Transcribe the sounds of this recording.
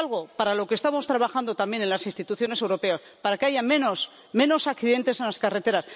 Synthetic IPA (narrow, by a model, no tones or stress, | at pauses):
lɣ̞o̞paɾalo̞kest̪amo̞st̪ɾaβaxand̪o̞t̪ambje̞nẽ̞nlasinst̪it̪uθjo̞ne̞se̞wɾo̞pe̞aspaɾakeaʝame̞no̞s | mẽ̞no̞sakθiðe̞nt̪e̞se̞nlaskare̞t̪e̞ɾas